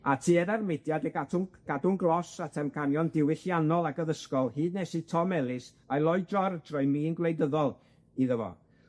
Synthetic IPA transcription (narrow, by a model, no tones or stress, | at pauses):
atʰiːɛɾarmɪdjadɛɡatʰʊnɡ̥adʊnɡlˠɔsatʰɛmkʰanjɔndɪwɪɬjanɔlˠaɡəðəskɔlˠhiːdnɛsitʰɔmɛlˠɪs | ajlˠɔjdrɔrdrɔjmiːnɡlˠejdəðɔlˠ | iðəvɔ̰